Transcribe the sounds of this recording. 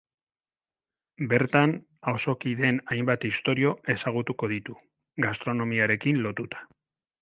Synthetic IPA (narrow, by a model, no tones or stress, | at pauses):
be̞ɾt̪an | awso̞kiðe̞najmbat̪ist̪o̞ɾio̞e̞saɣ̞ut̪uko̞ð̞it̪u | ɡast̪ɾo̞no̞miaɾe̞kinlo̞t̪ut̪ḁ